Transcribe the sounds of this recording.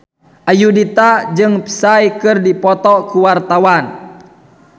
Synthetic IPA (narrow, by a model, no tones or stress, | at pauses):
ʔajudit̪ad͡ʒɨŋpi̥sajkɨrdipɔt̪ɔkuwart̪awan